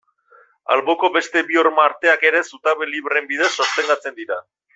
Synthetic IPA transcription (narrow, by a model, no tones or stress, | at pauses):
a̰lβo̞ko̞be̞st̪e̞bioɾmaːɾt̪e̞ake̞ɾe̞sut̪aβeliβɾe̞mbið̞e̞sːost̪e̞ŋɡ̪at͡se̞nd̪iɾa